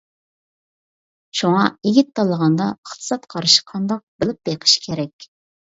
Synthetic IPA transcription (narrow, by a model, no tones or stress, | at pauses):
ʃuŋɑeɡʲit̪ʰːɑlˠəʁɑnd̪ɑəχt̪ʰɨ̥sɑt̪qʰɑɾɨʃi̥qʰɑnd̪ɑq̚bɨlˠɨp̚beqʰə̥ʃkʲʰeɾɛkʲ